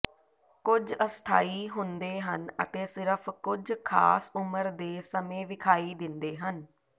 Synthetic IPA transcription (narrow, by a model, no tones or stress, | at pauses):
kʊd͡ʒəst̪ʰa̰ːiːɦʊnd̪eːɦənə̰t̪eːsɪɾəpʰkʊd͡ʒkʰa̰ːsʊməɾd̪eːsəmẽːʋɪkʰaːiːd̪ɪnd̪eːɦən